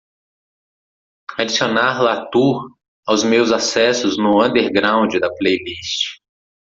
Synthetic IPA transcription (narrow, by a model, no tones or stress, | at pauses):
ad͡ʒisionaɾlat̪u | awzmewzasɛsʊznʊɐ̃nd̪eɾɡɾãw̃d͡ʒɪd̪ɐplejlist͡ʃɪ̥